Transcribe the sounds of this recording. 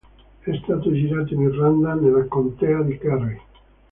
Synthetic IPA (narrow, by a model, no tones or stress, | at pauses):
ɛst̪aːt̪od͡ʒiɾaːt̪oinirːand̪anelːakont̪ɛad̪ikari